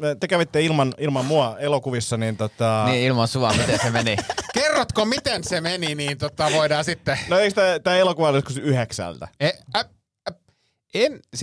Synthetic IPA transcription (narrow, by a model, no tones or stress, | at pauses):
t̪ekæʋit̪ːeilmɑnilmɑmmuɑelokuʋisːɑniːnt̪ot̪ɑniilmɑnsuɑmit̪ensemenikerːot̪komit̪ensemeniniːnt̪ot̪ɑʋoidɑːsit̪ːenoeikst̪æt̪æːelokuʋɑliskusyheksæ̰lt̪æ̰eæ | ens